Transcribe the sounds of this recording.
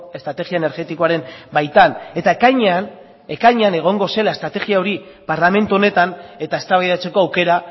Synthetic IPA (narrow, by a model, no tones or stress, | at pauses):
e̞st̪ɾat̪e̞ɣiaene̞ɾɣe̞t̪iko̞aɾe̞mbajt̪ane̞t̪aekaɲean | ekajɲeane̞ɣ̞o̞ŋɡo̞se̞laest̪ɾat̪e̞ɣiao̞ɾi | paɾlame̞nt̪uo̞ne̞t̪ane̞t̪ae̞st̪aβajðat͡se̞ko̞awke̞ɾa